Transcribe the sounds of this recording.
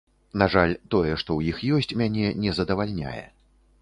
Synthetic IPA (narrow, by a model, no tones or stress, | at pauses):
naʐalʲt̪ɔjɛʂt̪ɔwjixjɔsʲt͡sʲmʲanʲɛnʲɛzɐd̪ɐvalʲnʲa̰jɛ̰